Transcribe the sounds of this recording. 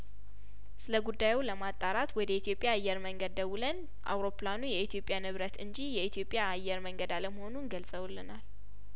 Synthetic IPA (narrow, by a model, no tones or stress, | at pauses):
sɨləɡud̪ːajuləmat̪ʼaɾat̪wɔd̪əit̪ʰijo̞pʼːjaːjːɛɾməŋɡəd̪̚ːəwulən | ʔa̰wɾo̞planujɛit̪ʰijo̞pʼːjanɨβɾət̪ɨnd͡ʒijɛit̪ʰjo̞pʼːjaːjːɛɾməŋɡəd̪aləməho̞nunɡəlsʼəwulːɨnal